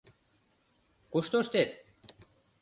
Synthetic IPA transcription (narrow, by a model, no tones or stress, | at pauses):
kuʃt̪oʃt̪et̪